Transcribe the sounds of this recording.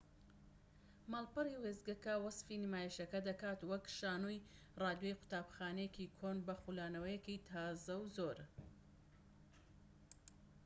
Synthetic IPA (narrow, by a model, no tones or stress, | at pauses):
malˠpɨriwezɡɐkɐwɐsfiːnimaːjiʃɐkɐd̪ɐkaːt̪wɐkʃaːnuj | raːd̪jojqʊ̥t̪aːbxaːnɛjekikʰoːnbɐxulaːnɐwɐjɛkit̪ʰaːzɐwzoɾ